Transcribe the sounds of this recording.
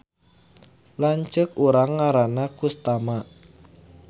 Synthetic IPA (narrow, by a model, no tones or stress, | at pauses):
laɲt͡ʃəkuɾaŋːaɾanakust̪ama